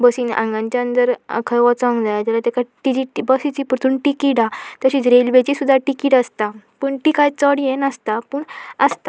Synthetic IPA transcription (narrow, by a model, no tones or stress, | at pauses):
bəsiːnã̰ŋɡãɲt͡ɕaənt̪əɾ̰kʰəjʋɔt͡sɔ̃ŋɡd͡zajad͡ʑalat̪ekaʈid͡ʑiʈibəsit͡ɕipuɾt̪ʰunʈikiʈat̪əɕiːt͡sɾelʋet͡ɕisud̪ʱːaʈikiʈəst̪apəɳʈikajt͡sɔɽjenəst̪apəːɳəst̪a